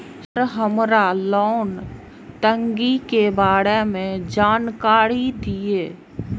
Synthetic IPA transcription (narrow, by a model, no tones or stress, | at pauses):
ɾɦəmɾalɔːn | t̪ə̃ŋɡikebaːɽemẽd͡ʒaːnkaːɾid̪ieː